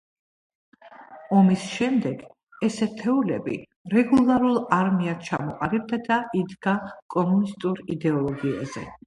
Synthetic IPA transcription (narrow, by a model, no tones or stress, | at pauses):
ɔmisʃɛmd̪ɛɡ̥ | ɛsɛt̪ʰɛulɛbḭ | ɾɛɡulˠaɾulˠaɾmiat͡ʃʰa̰mɔqʼaɾib̚d̪ad̪aʔid̪ɡakʼɔmunist̪ʼuɾid̪ɛɔlˠɔɡia̰zɛ̰